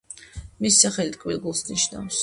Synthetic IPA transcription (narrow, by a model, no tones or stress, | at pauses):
missaχɛlit̪̚kʼvḭlɡulˠsniʃna̰fs